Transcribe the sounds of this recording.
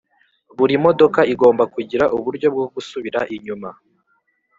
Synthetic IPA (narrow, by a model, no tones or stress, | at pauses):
βuɾimo̞do̞kaiɡo̞ːmbakuɟiɾaʔuβuɾɟo̞b̚ɡoɡ̥usuβiɾaʔiɲuma